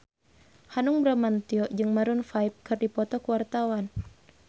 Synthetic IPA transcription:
hanʊŋbɾamant̪iɔd͡ʒɨŋmaɾunfaip̚kɨrdipɔt̪ɔkuwart̪awan

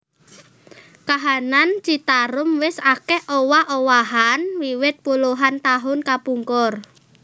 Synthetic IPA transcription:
kaɦanant͡ʃit̪aɾʊmwɪsakɛʔowahʔowaɦanwiwɪt̪̚puluɦant̪aɦʊnkapuŋkʊr

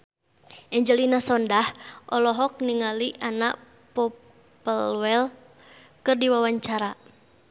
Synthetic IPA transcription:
ʔɛɲd͡ʒəlinasɔndahʔɔlɔɦɔk̚niŋaliʔanaʔ | pɔ | pəlwɛl | kɨrdiwawaɲt͡ʃaɾa

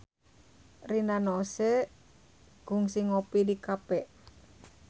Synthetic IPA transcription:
rinanosɛ | ɡ̥uŋsiŋopidikapɛʔ

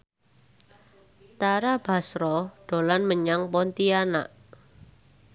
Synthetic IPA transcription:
t̪aɾab̥a̤sɾɔɖ̥o̤lanməɲaŋpɔnt̪iana̰ʔ

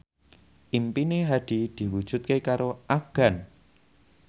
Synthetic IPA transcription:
ʔimpineɦad̪̥i̤d̪̥i̤wud̥ʒ̥ʊ̤t̪̚kekaɾoʔafɡ̥a̤n

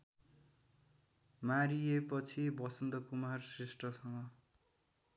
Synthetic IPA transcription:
maɾijepʌt͡sʰibʌsʌnd̪ʌkumarsresʈrʌsʌŋɡʌ

